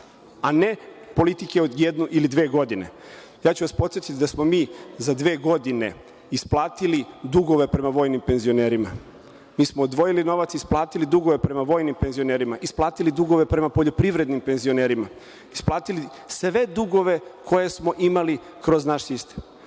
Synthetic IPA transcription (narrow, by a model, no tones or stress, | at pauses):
ane̞po̞lit̪ikeod̪jed̪nuʔilid̪ʋe̞ːɡo̞d̪ine̞̰ | jaːt͡ɕuʋaspot̪sjet̪it̪ʲd̪asmo̞miːzad̪ʋe̞ːɡo̞d̪ine̞̰ | isplˠaːt̪ilid̪uɡo̞ʋe̞pɾe̞maʋo̞ːjnimpe̞nzio̞ne̞ːɾima | miːsmoːd̪ʋo̞jilino̞ʋat̪sisplˠaːt̪ilid̪uɡo̞ʋe̞pɾe̞maʋo̞ːjnimpe̞nzio̞ne̞ːɾimaʔisplˠaːt̪ilid̪uɡo̞ʋe̞pɾe̞mapo̞ʎo̞pɾiʋɾe̞d̪nimpe̞nzio̞ne̞ːɾima | isplˠaːt̪ili | sʋe̞d̪uɡo̞ʋe̞kʰo̞je̞smo̞ʔimali | kɾo̞znaʃsist̪em